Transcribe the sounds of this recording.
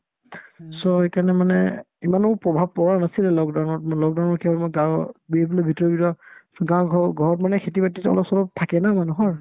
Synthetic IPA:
sɔhekanɛmanɛ | imanʊpɹɔbʱab̚pɔɹanasilɛlɔkdawnɔtmlɔk̚daʊnɔɹkʰiɔbmɔɡãwbieplobʱitɔɹɔbitɔsɔɡãwɡʱɔɡʱɔɹɔtmanɛkʰetibatitɔ̰lɔpsɔlɔp̚tʰakɛnamanuɦɔɹ

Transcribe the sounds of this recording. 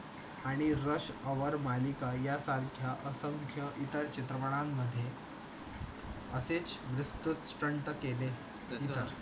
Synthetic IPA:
aɽ̃iɾəɕəʋəɾmalikajasaɾkʰjaʔəsəŋkʰjəʔit̪əɾt͡ɕit̪ɾəməɳ̃amːəd̪ʱːje | əset͡sʋɾust̪ut̪sʈəɳʈəkele | it̪əɾ

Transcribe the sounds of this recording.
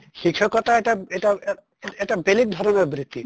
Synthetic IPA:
ʃikʰːɔkɔt̪aeʈaeʈa | ɛʈabelik̚d̪ʱɔɾoneɾbɾit̪ːi

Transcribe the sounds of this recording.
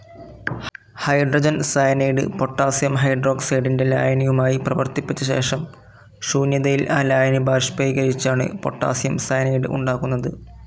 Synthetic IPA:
hɐjɖrod͡ʑɐnsajɐnejɽɨ̰po̞ʈːaːsjɐmɦɐjɖro̞ːɡseːɖinde̞la̰ːjɐnijumaːjiprɐʋɐrt̪ipːit͡ɕːɐɕe̞̰ːʂɐm | ʂuːnjɐðɐjilʔaːlaːjɐnibaːʂpejɡɐɾit͡ɕːaːɳɨ̰po̞̰ʈːa̰ːsjɐmsaːjnejɽɨ̰ʔṵɳɖaːɣunːɐðɨ

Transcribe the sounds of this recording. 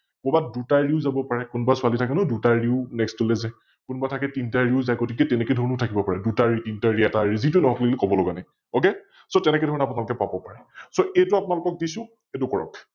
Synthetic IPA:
kɔbadutaɹiʊzabɔpaɹɛkunɔbasʊalitʰakɛnɔdutaɹiʊnɛkstulɛzɛ | kunbatʰakɛtintaɹiʊzajɡotikɛtɛnɛkɛdʱɔnʊtʰakibɔpaɹɛdutaɹitintaɹiɛtaɹizit̬unɔɦɔklilikɔbɔloɡanaj | oke | sotɛnɛkɛdʱɔɹnapʊnalʊkɛpabɔpaɹɛsoejtuapʊnalʊkɔk̚disʊ̃ | etʊkɔɹɔ̰k

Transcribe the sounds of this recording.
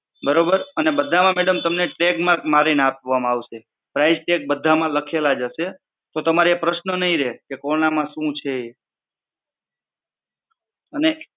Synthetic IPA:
bəɾobəɾənebəd̪ʱamãmɛɽəmt̪əmneʈɾekmãmaɾineap̚ʋamãaʋʃe | pɾaid͡ʒʈek̚bəd̪ʱamãləkʰelad͡ʒəʃe | t̪ot̪əmaɾeepɾəʃnənəɦĩɾekekɔɾnamãʃũt͡ʃʰeː | əne

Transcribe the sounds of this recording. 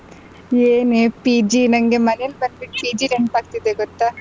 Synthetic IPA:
eːneːpiːd͡ʒinɐŋɡemɐneɐlbɐnlik̚piːd͡ʒiɾeɳpaːɡt̪id̪eɡɔt̪ːa

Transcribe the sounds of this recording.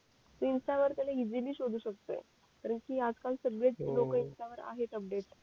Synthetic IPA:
t̪əinsʈaʋəɾt̪alaid͡ziliːɕod̪ʱuːɕək̚t̪o̰ | kaɾəɳkiːad͡zkalsəɡɾed͡zlokəinsʈaʋəɾa̰ɦet̪əp̚ɖeʈ

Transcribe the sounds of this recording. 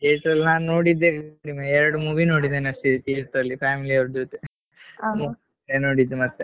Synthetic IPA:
eʈɾɐlːãːnoːɽid̪ːekːɽimeɛɾɐɽumuʋinoːɽid̪enɐsʈid̪t̪iːɾt̪ɐlːipʰaːmiliɐʋɾd̪ut̪ːe | mu | enoːɽid̪ːumɐt̪ːɛ

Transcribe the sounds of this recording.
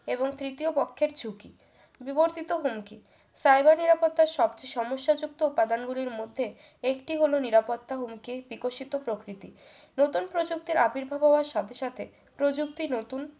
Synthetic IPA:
eboŋt̪ɾit̪iopokʰːeɾt͡ɕʰuki | biboɾt̪it̪oɦumki | sajbaɾniɾapot̪ːaɾʃɔbt͡ɕeʃɔmoʃːad͡ʑuk̚t̪oupad̪anɡuliɾmod̪ʱːe | ekʈiɦoloniɾapot̪ːaɦumkibikoʃit̪opɾokɾit̪i | not̪unpɾod͡ʑuk̚t̪iɾʔapiɾbʱabʱɔoaɾʃat̪ʰeʃat̪ʰe | pɾod͡ʑuk̚t̪inot̪un

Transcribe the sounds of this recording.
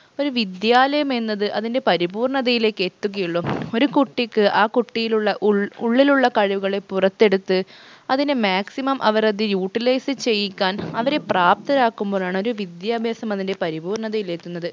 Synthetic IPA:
o̞ɾuʋid̪jaːlɐjɐme̞nːɐðɨʔɐðinde̞pɐɾibuːrɳɐðɐjile̞ːkːe̞t̪ːuɣɐjiɭːoo̞ɾukuʈːikːɨʔaːkuʈːijiluɭːɐʔuɭːiluɭːɐkɐɻiʋuɣɐɭe̞pːurɐt̪ːe̞ɽut̪ːɨɐðinɨmaːksimɐmʔɐʋɐrɐðijuːʈːilɐjsɨt͡ɕe̞jːikʲːaːnɐʋɐɾe̞praːp̚t̪ɐɾaːkːumboːɭaːɳo̞ɾuʋid̪jaːbʱjaːsɐmɐðinde̞pɐɾibuːrɳɐðɐjile̞ːt̪ːunːɐðɨ

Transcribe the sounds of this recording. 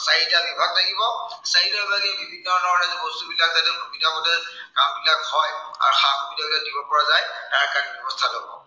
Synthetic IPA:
saɦitabibʱaɡ̚tʰakibɔsaɦitɔɹbaɡɛbibʱinːɔnɔɔɾɛzɛbɔstubilak̚zatɛmubitabɔtɛ | ɡambilakhɔja̰ɹuxabʰbilakadibɔpɔɹazajtaɹakanibɛbɔstʰalobɔ̰

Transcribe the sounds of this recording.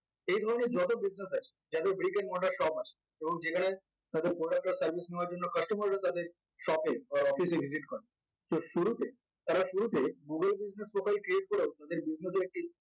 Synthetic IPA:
ejd̪ʱɔɾoneɾd͡ʑɔt̪̬obid͡ʑnes̬at͡ʃʰe̥d͡ʑad̪eɾbɾikenmɔʈaɾʃɔbat͡ɕʰe̥ | eboŋd͡ʑekʰaɽ̃e | t̪ad̪eɾpɾoɖak̚ʈaɾsɐɾbʱisneoaɾd͡ʑonːokəʃʈomoɾeɾet̪ad̪eɾ | ʃɔpeɔfisebʱiziʈkɔɾe | soʃuɾut̪e | t̪aɾaʃuɾut̪eɡuɡelbid͡ʑneslokajlkɾieʈ̚koɾeot̪ad̪eɾbid͡ʑnes̬eɾɛk̚ʈi

